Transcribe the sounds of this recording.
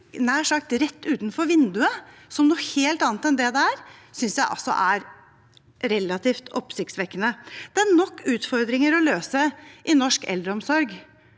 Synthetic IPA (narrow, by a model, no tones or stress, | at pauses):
næːʂɑk̚t̪ɾɛt̪ːʉːt̪nfɔɾʋɪnd̪ʉəsɔmnuːheːlt̪ɑːnt̪ɛnd̪ɛd̪ɛæɾsʏnsjæɪʔɑ̰lsɔ̰ʔæɾ | ɾɛlːɑt̪ʰiːft̪ʰɔpsɪkt̪sʋɛkːənəd̪̥ɛæɳɔkʰːʉːt̪fɔɾd̪ɾɪŋəɾɔløːsəʔɪnɔʂkɛ̰ld̪ɾəɔmsɔɾɡ